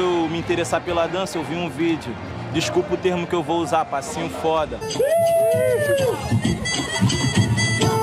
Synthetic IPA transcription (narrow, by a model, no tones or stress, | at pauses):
ewmiĩnt̪eɾesapelɐd̪ɐ̃sɐewviũvid͡ʒiʊ | d͡ʒiʃkupɪʊt̪eɾmʊkɪewvowuzaɾpasĩʊ̃fɔd̪ɐ